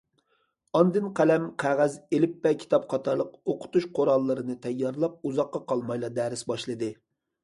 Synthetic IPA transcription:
ɑnd̪ɨnqʰælɛmqʰæʁæzelɪpːɛkʲʰi̥t̪ʰɑpqʰɑt̪ʰɑɾlˠəqoqʰʊ̥t̪uʃqʰoɾɑlˠːɨɾɨnɨt̪ʰɛjːɑɾlˠɑp̚uzɑqːɑqʰɑlˠmɑjlˠɑd̪ɛːɾɪsbɑʃlˠɨd̪ɨ

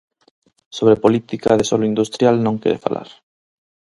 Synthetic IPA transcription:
soβɾepolit̪ikaðesoloind̪ust̪ɾjalnõŋkḛɾefa̰lʔa̰ɾ

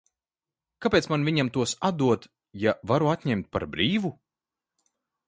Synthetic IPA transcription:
kapʲeːt̪smanviɲamt̪uɔsad̪uɔt̪ | javaɾuat̪ʲɲɛmt̪̚pa̰ɾbɾiːvu

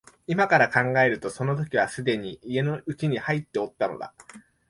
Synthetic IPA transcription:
imakaɾakãŋɡae̞ɾɯ̟t̪o̞so̞no̞t̪̬o̞kʲiβasɨd̪e̞ɲ̟iʔie̞no̞ɯ̟t͡ɕiɲ̟ihait̪ːe̞o̞t̪ːano̞̰d̪a̰

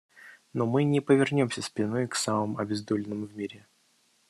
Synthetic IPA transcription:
nomɨnʲɪpəvʲɪrnʲo̞msʲəspʲɪno̞jksaməmɐbʲɪzd̪olʲɪnəmvmʲiɾʲɪ

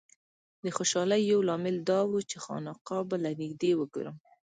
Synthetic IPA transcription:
d̪əxoʃɑləjːawlɑmɪld̪ɑwut͡ʃexɑ̰nɑqɑbalanɪɡd̪ewəɡo̰ɾəm

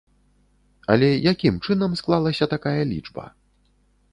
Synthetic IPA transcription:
ɐlʲɛjakʲimt͡ʂɨnɐmsklˠalˠɐsʲɐt̪akajɐlʲḭt͡ʂbɐ̰

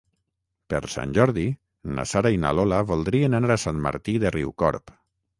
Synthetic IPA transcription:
pḛɾsa̰nʲʒɔɾði | na̰saɾaina̰lɔlaβɔlˠd̪ɾienanaɾasanma̰ɾt̪iðeriwkɔ̰ɾp

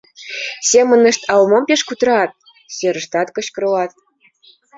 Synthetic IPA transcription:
sʲemɤ̆nə̆ʃt̪ɑlmompʲeʂkut̪ɾɑt̪̚ | sʲeɾə̆ʂt̪ɑt̪kɤ̆ɕkɤ̆ɾɤ̆lˠɑt̪̚

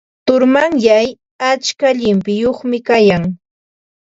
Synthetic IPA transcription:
t̪ʊɾmaŋjaj | at͡ʃkaʎɪmpɪjoχmɪkajaŋ

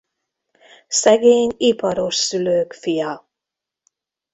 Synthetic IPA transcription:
sɛɡeːɲipɒɾo̞ʃsyløːkfijɒ

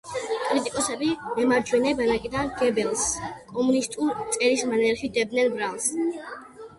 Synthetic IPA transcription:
pʼɔlit̪ʼikʼɔsɛbiɛmaɾd͡ʒwɛnɛbanakʼid̪anɡ̥ɛbɛlˠskʼɔmunist̪ʼuɾt̪sʼɛɾismanɛɾχid̪ɛb̚d̪nɛnbɾalˠs

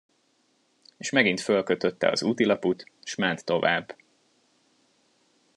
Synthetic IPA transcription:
eʃmɛɡint̪fø̞lkøt̪øt̪ːɛ̰ɒ̰zuːt̪ilɒput̪ʃmɛnt̪ːo̞vaːbː

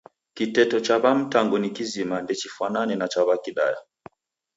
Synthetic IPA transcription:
kitɛtɔt͡ʃaβam̩taŋɡunikizimandɛt͡ʃifwananɛnat͡ʃaβakiɗa̰ja̰

